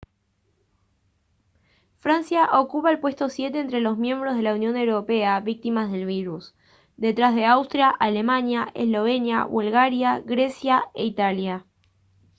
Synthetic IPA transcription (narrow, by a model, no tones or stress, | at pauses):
fɾansjaʔo̞kupaelpwe̞st̪o̞sje̞t̪eːnt̪ɾelo̞zmje̞mbɾozð̞e̞launjõ̞newɾo̞pe̞aβik̚t̪imazðe̞lβ̞iɾus | d̪e̞t̪ɾazð̞e̞awst̪ɾjaʔale̞manjaʔḛslo̞βe̞nja̰βulɣaɾjaɣɾe̞sjaeit̪alja